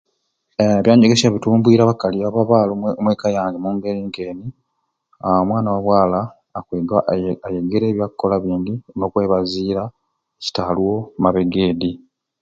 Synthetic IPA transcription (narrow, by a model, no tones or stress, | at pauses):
βjaːɲeɡesaβituːmbwiːɾaβakalijaβaβaːlomweːkajaːŋɡemuŋɡe̞ɾiŋkeːni | awomwaːnawaβwaːlaː | keɡaajeɡeɾeːβjakkːolaβiːndino̞kwe̞ːβaziːɾa | eci̥talwo̞maβe̞ɡeːdi